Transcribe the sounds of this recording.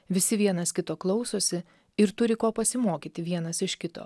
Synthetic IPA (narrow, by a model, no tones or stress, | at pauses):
ʋʲɪsʲɪʋʲiɛnɐskʲɪt̪oːklˠɒʊsoːsʲɪ | ɪɾt̪ʊɾʲɪkoːpɐsʲɪmoːkʲiːt̪ʲɪʋʲiɛnɐsɪʃkʲɪt̪o̰ː